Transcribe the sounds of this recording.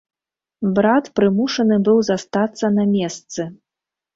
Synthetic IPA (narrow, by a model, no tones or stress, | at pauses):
bɾat̪pɾɨmuʂɐnɨbɨwzast̪at̪sːɐnɐmʲɛst̪sɨ